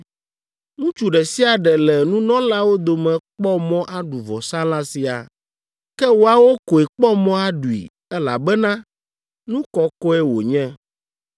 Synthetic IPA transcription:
ŋũ˦t͡ʃu˨ɖɛ˨si˦a˨ɖɛ˨lɛ˨nũ˦nɔ̃˦la˦wo˦d̪o˨mɛ̃˨k͡pɔ˦mɔ̃˦ʔa˦ɖu˨vɔ˨sã˦lã˦si˦a̰˨ | kɛ˦wo˨a˨wo˦ko˨e˨k͡pɔ˦mɔ̃˦a˦ɖu˨ḭ˨ | ɛ˦la̰˨bɛ˦nã˦ | nũ˦kɔ˦kɔ˦ɛ˦wo̰˨ɲɛ̃˦

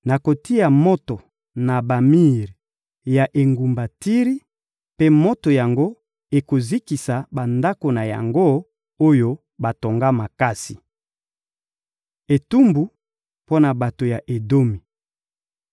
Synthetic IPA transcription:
na˨ko˨ti˦a˨mo˦to˨ | na˨ba˨mi˦ʁ | ja˨ʔe˨ŋɡu˨mba˨ti˦ʁi˦ | pe˦mo˦to˨ja˨ŋɡo˦ | e˨ko˨zi˦ki˨sa˨ba˨nda˦ko˨na˨ja̰˨ŋɡo˦ | o˦jo˦ | ba˨to˨ŋɡa˦ma˨ka˦si˨ | e˨tu˦mbu˨ | po˦na˨ba˨to˨ja˨ʔe˨do˦mi˨

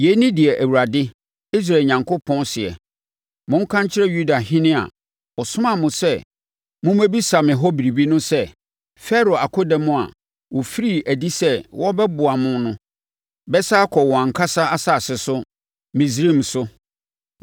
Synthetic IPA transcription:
je˨˦nɪ̃˦dɪ˨ɛ˨ʔæ˨wu˨ɾa˨dɪ˦ | i˦s̬ɾaː˨ɲã˨ŋkʰʊ˦pʰɔ̃˦nsɪ˨ɛ̰˨ | mʊ̃˦ŋ̩˦kʰã˦ɲt͡ɕʰɪ˦ɾɛ˦ju˦da˨ɦɪ̃˦nɪ̃˦a̰˨ | ɔ˨sʊ̃˦mã˨mʊ̃˨sɛ˦ | mʊ̃˦mæ˦bi˦sa˨mɪ̃˨ɦɔ˦bi˨ɾi˨bi˦nʊ̃˦sɛ˦ | fɛ˦ɾo˨a˨kʰʊ˦dɛ˨mʊ̃˦a̰˨ | wɔ˨fi˦ɾi˦˨æ˨di˦sɛ˦wʔɔ˦bɛ˦bʊ˨a˨mʊ̃˦n˦nʊ̃˦ | bɛ˦sa˦kʰɔ˨wɔ˨ã˨ŋ̩˨kʰa˦sa˦a˦sa˦˨sɪ˨sʊ˦ | mĩ˨s̬ɾi˦˨m̩˨sʊ˦

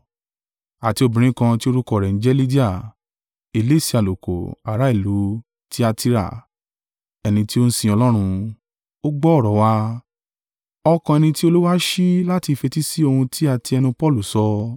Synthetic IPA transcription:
a˨ti˧o˧bĩ˨ɾ̃ĩ˦kã˧ti˦o˦˧ɾu˦kɔ˦˨ɾɛ˨n̩˨˦d͡ʒɛ˦li˦di˦a˨ | e˨le˦˨si˧˦a˨lo˨ko̰˨a˨ɾa˨˦i˦˨lu˨˦ | ti˦a˧ti˧ɾa̰˦˨ | ɛ˧nĩ˧ti˦o˦n̩˦sĩ˧ɔ˧lɔ˦ɾ̃ũ˧ | o˦ɡ͡bɔ˦˨ɾɔ˨wa˧˦ | ɔ˧kã˧ɛ˧nĩ˧ti˦o˦lu˦wa˦ʃi˦la˦ti˧fe˧ti˦si˦o˧hũ˧ti˦a˧ti˧ɛ˧nũ˧pɔ˦˨lu˨sɔ˧

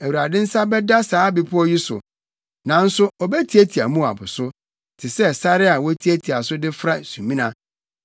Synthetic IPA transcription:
æ˨wu˨ɾa˨dɪ̃˦n̩˦sa˦bɛ˦da˦saː˨˦bi˨pʰʊ˦ɔ˦ji˦sʊ̰˨ | nã˨n̩˦sʊ˦ɔ˨bɛ˦tʰi˨˦e˦tʰi˨a̰˨mũ˦a̰˨bʊ˨sʊ˦ | tʰɪ˨sɛ˦sa˦ɾɪ˦a˨wɔ˦tʰi˦e˦tʰi˨a˨sʊ˦dɪ˦fɾa˦˨sũ˨mĩ˦nã˦

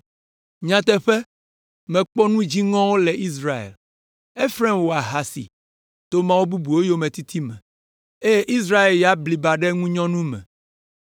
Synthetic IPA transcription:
ɲã˨t̪ɛ˦ɸɛ˦ | mɛ̃˨k͡pɔ˦nũ˦d͡ʑi˦ŋɔ̃˦wo˦lɛ˨i˦s̬ɾa˦ḛ˨l | e˦fɾɛ̃˦mwo˨a˨ɦa˨sḭ˨ | t̪o˦mã˦wo˦bu˦bu˨wo˦jo˦mɛ̃˨t̪i˦t̪ʰi˦mɛ̃˨ | e˦je˦ʔi˦s̬ɾa˦e˨lja˦bli˨ba˨ɖɛ˦ŋũ˦ɲɔ̃˦nũ˦mɛ̰̃˨

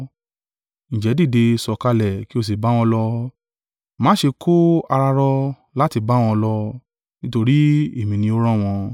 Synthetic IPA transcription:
ñ̩˨d͡ʒɛ˨˦di˦˨de˧sɔ˨ka˧lɛ˨ki˦o˧s̬i˨ba˦w̃ɔ̃˧lɔ˧ | mã˦ʃe˧kʰo˦a˧ɾa˧ɾɔ˧ | la˦ti˧ba˦w̃ɔ̃˧lɔ˧ | nĩ˦to˧ɾi˦e˦˨mĩ˨nĩ˧o˦ɾ̃ɔ̃˦˨w̃ɔ̃˧

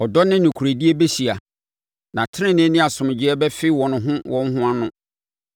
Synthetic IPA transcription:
ɔ˨dɔ˦nɪ̃˦nʊ̃˨kʰu˨ɾe˨di˦e˦be˦ɕi˨a˨ | nã˨tʰɪ˦ɾɪ̃˦nɪ̃˦nɪ̃˦a˨sʊ̃˨m˨d͡ʑɪ˦ɛ˦bɛ˦fɪ˦wɔ̃˨nʊ̃˨ɦʊ̃˦wɔ̃˦n˦ɦʊ̃˦a˦nʊ̃˨

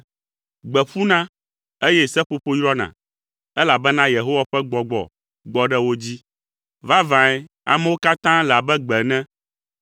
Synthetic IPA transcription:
ɡ͡bɛ˨ɸu˦nã˦ | e˦jɛ˦sɛ˦ɸo˦ɸo˦jɾɔ˦nã̰˨ | ɛ˦la˨bɛ˦nã˦je˨ɦo˦wa˨ɸɛ˦ɡ͡bɔ˨ɡ͡bɔ̰˨ | ɡ͡bɔ˨ɖɛ˦wo˦d͡ʑi˦ | va˦vã˨ɛ˦ | a̰˨mɛ̃˦wo˦ka˦t̪ã˦la˨bɛ˦ɡ͡bɛ˨nɛ̃˦

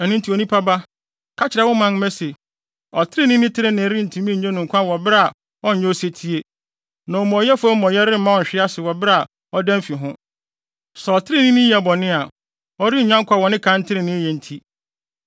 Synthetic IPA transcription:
ɛ˨nʊ̃˦n˦tʰi˨o˨nĩ˦pʰa˦ba˦ | kʰa˦t͡ɕʰɪ˨ɾɛ˨wʊ˦mã˨n˦mɛ̃˦se˨ | ɔ˨tʰɪ˦ɾɪ˦nɪ̃˦nɪ̃˦tʰɪ˦ɾɪ˦nɪ̃˨˦ɾi˦n̩˨tʰĩ˨˦mĩ˦˨ɲẽ˦nʊ̃˨ŋ̩˨kʰʷã˦wɔ˨bɪ˦ɾɛ˦a˨ | ɔ̃˦ɲ̩˨ɲɛ̃˦o˦se˦tʰi˦e˦ | nã˨ɔ˨mɔ̃˨jɛ˦fʊ˦ɔ˦m̩˦mɔ̃˨jɛ˦ɾɪ˦m̩˦ã˦wɔ̃˨ɲ̩˨ɕᶣɪ˦a˦sɪ˨wɔ˨ba˨ | ɔ˦dɛ̃˦m˦fi˨ɦʊ̃˦ | sɛ˨ɔ˨tʰɪ˦ɾɪ˦nɪ̃˦nĩ˦jɛ˨bɔ˨nɪ̃˦a˨ | ɔ˦ɾi˦˨ɲᶣã˦ŋkʰʷa˦˨wɔ˨nɪ̃˦kʰã˦n̩˦tʰɪ˦ɾɪ˨nɪ̃˦jɛ˨n̩˨tʰi˦

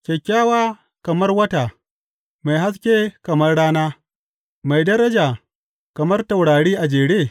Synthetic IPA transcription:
kʲɛ˨kʲːaː˦waː˦ | kɐ˨mɐ˦rwɐ˦ta˨ | ma˨jɦa˦s̬kʲeː˦kɐ˨mɐ˦rɽaː˦naː˦ | ma˨jdɐ˦ɾɐ˦d͡ʒaː˨ | kɐ˨mɐ˦rtɐ˨wɽaː˨ɽiː˦ʔa˨d͡ʒeː˨ɽeː˦˨

